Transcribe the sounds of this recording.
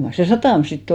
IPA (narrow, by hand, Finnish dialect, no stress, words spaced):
mɑr se sɑtɑˑm sitː